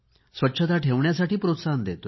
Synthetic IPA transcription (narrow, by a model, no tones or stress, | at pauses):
sʋətːɕʰət̪aʈʰeʋɳjasaʈiːpɾot̪sand̪et̪o